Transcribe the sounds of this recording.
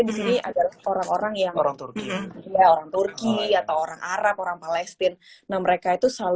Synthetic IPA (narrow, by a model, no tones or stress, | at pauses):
disiniʔa̰dalahoɾaŋoɾaŋjaŋɾaŋt̪urkiijaoɾaŋt̪urkiat̪awoɾaŋʔaɾap̚oɾaŋpalɛst̪ɪnːaməɾekait̪usal